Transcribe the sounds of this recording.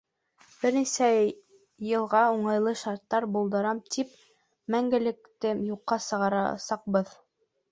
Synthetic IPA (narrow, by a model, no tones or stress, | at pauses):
b̥ɘ̆ɾnisæː | ɤ̆lˠʁɑuɴɑjlˠɤʃɑɾt̪ːɑɾbulˠd̪ɤ̆ɾɑmt̪ʰip̚ | mæŋɡɘ̆lɘ̆kt̪ɘmjuqːɑsɤ̆ʁɑɾɑ̰sɑq̚bɤð